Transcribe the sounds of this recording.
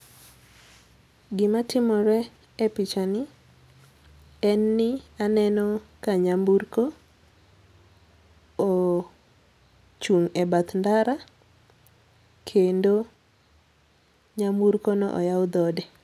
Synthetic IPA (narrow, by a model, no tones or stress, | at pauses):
ɡɪmatɪmɔɾɛ | epit͡ʃanɪ | ɛnːɪanɛnɔkaɲambuɾko | o | t͡ʃuŋɛbat̪ndaɾa | kʰendo | ɲambuɾkonɔ̰ʔɔ̰jaʊd̪ɔdɛ